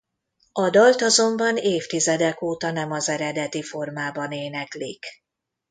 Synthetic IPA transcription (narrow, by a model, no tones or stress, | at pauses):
ɒd̪ɒlt̪ɒzo̞mbɒneːft̪izɛd̪ɛkoːt̪ɒnɛmɒzɛɾɛd̪ɛt̪ifo̞rmaːbɒneːnɛklik